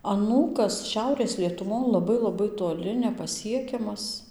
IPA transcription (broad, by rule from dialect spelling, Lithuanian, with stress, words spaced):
ɐˈnuːkɐs ˈʃʲɛʊrʲeːs lʲiɛtʊˈʋoːn lˠɐˈbɐɪ lˠɐˈbɐɪ toːˈlʲɪ nʲɛpɐˈsʲiɛkʲɛmɐs